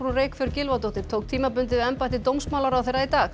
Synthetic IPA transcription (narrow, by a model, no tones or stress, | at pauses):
ɾuɾeːkfɪɾɪɾcɪlvat̪owt̪ɪɾ̥t̪ʰoːwk̚t̪ʰiːmapʏnt̪̬ɪɛmpaɛht̪ɪt̪owmsmawlaɾawθejrait̪aːx